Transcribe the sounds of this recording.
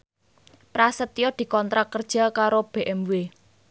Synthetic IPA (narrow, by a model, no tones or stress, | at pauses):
pɾasət̪ijɔd̪̥i̤kɔnt̪ɾakərd̥ʒ̥a̤kaɾob̥eʔɛmwe